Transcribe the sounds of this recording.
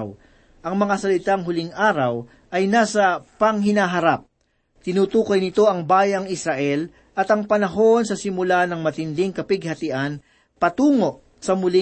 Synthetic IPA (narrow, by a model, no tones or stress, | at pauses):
w | ʔɐŋmɐŋasɐlɪt̪aŋɦʊlɪŋʔaːɾɐw | ʔɐjnaːsɐpɐŋɦɪnaɦɐɾap̚ | t̪ɪnuːt̪uːkɐjnɪt̪o̞ɐŋbaːjɐŋɪsɾɐʔɛl | ʔɐt̪ɐŋpɐnɐɦo̞nsɐsɪmʊlanɐŋmɐt̪ɪnd̪ɪŋkɐpɪɡ̚hɐt̪ɪʔɐn | pɐt̪uːŋo̞ʔ | sɐmʊlɪ